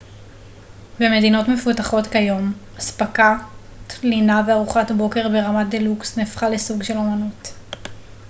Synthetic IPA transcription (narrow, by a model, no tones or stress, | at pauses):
beme̞dino̞tme̞futaχo̞tkajo̞m | aspaka | tlinaveaʁuχatbo̞ke̞ʁbe̞ʁamad̪eluksnefχalesuɡʃe̞lo̞manut